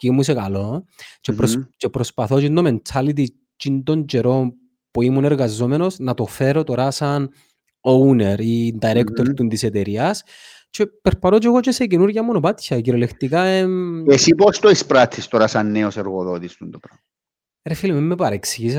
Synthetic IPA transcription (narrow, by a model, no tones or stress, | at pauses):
cimusekɐlo̞t͡ʃeɾot͡ʃepɾospɐθo̞t͡ʃind̪oment͡ʃʰalit̪̬i | t͡ʃind̪o̞ɲd͡ʒeɾo̞m | puimuneɾɣɐzːomeno̞snɐt̪o̞feɾo̞t̪o̞ɾasɐn | oune̞ɾind̪ɐiɾekt̪oɾt̪unt̪iset̪eɾiɐs | t͡ʃepeɾpɐt̪ot͡ʃeɣot͡ʃesecenuɾʝɐmonopat̪çɐciɾolekt̪ikaeesipost̪oispɾat̪ʰːist̪oɾasɐnːeoseɾɣoðot̪ist̪und̪opɾɐ | ɾefilimimːepɐɾeksiʝis